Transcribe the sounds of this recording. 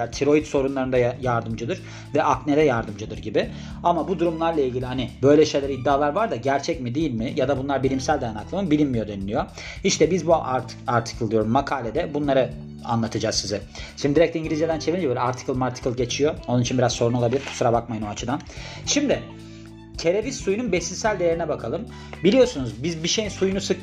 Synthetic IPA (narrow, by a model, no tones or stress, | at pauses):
at̪ʰiɾo̞it̪so̞ɾunlˠaɾɯnd̪ajaɾd̪ɯmd͡ʒɯd̪ɯɾ | vɛʔakned̪ɛjaɾd̪ɯmd͡ʒɯd̪ɯɾɟibɪ | amabud̪uɾumlˠaɾlˠailʲɟʲilʲiɦanɪbø̞jlʲɛʃe̞jlʲɛɾid̪ːaːlˠaɾvaɾd̪aɟæɾt͡ʃʰɛcmid̪ijilʲmɪjad̪abunlˠaɾbilʲimsælʲd̪ajanaklˠɯmɯbilʲinmijo̞d̪enilʲijo̞ | iʃt̪ʰɛbizbuaɾ | aɾt̪ʰi̥kʰlˠd̪ijo̞ɾummakʰaːlʲed̪ɛbunlˠaɾɯ | a̰nlˠat̪ʰɯd͡ʒaːzsizɛʃimmd̪iɾɛc̚t̪ʰʲɛiɲɟilʲizjed̪ænt͡ʃʰeviɾind͡ʒɛbølʲɛaɾt̪ʰi̥kʰɯlˠmaɾt̪ʰi̥kɯlˠɟe̞t͡ʃʰijoonunit͡ʃʰinbiɾazso̞ɾunolˠabilʲiɾkʰu̥suɾabakmajɯno̞at͡ʃʰɯd̪an | ʃimd̪ɪ | cʰe̞ɾevissujununbɛsiisælʲd̪e̞je̞ɾinɛbakʰalˠɯm | bilʲijosunuzbizbiʃejinsujunusɯk